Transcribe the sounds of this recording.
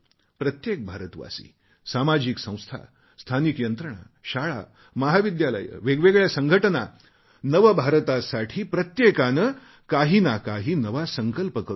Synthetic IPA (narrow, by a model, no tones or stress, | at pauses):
pɾət̪jek̚bʱaɾət̪ʋa̰sḭː | samad͡ʑiksə̃w̃st̪ʰa̰ | st̪ʰanikjənt̪ɾəɳ̃a̰ | ɕaɭa̰ | məɦaʋid̪jalə̰jə̰ʋeɡʋeɡɭjasəŋɡʱəʈəna | nəʋəbʱaɾət̪asaʈʰiːpɾət̪jekanə | kaɦiːnakaɦiːnəʋasəŋkəlpəkəɾ